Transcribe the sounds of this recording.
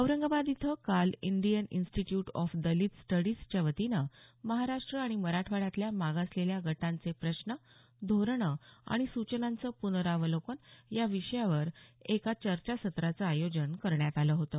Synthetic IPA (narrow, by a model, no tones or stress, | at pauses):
əʋɾəŋɡabad̪it̪ʰəkalind̪ijəninsʈiʈjuʈɔfd̪əliːt̪sʈəɽiːst͡ɕəʋət̪inəməɦaɾaʂʈɾəaɽ̃iməɾaʈʰʋaɽat̪ljamaɡasleljaɡʱəʈãnt͡sepɾəɕnə | d̪ʱoɾɳəa̰ɽ̃isut͡ɕənãnt͡səpunəɾaʋəlokonjaʋiʂəjaʋəɾekat͡ɕəɾt͡ɕasət̪ɾat͡səajod͡ʑənkəɾɳjat̪aləɦot̪əː